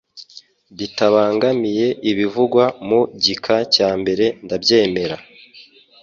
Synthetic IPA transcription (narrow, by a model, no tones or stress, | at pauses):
βitaβaːŋɡamije̞ʔiβivuɡwamuɟikʰacaːmbe̞ɾe̞ndabje̞ːme̞ɾa